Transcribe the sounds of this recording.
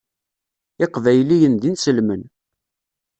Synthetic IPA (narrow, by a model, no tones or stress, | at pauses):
ɪqvæjlijənðinsəlmən